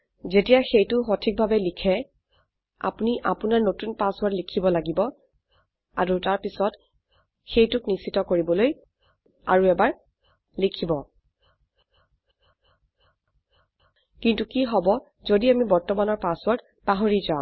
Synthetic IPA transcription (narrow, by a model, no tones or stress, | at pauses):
zetijaxejtʊxotʰik̚bʱabɛlikʰɛ | a̰puniʔa̰punaɹnotunpaswɔɹtlikʰibɔlaɡibɔ | aɹutaɹpisɔt | xejtʊknisitɔkoɹibɔloj | a̰ɹuɛbaɹ | likʰibɔ | kintukiɦɔbɔ | zodiamibɔɹtɔmanɔɹpaswɔɹt | paɦoɹizaʊ̃